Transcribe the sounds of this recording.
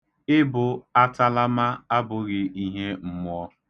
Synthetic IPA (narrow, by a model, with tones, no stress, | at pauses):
ɪ˦bʊ˨a˦ta˦la˦ma˦a˦bʊ˨ɣɪ˨ʔi˦ɦe˦m̩˦m˦ɔ˦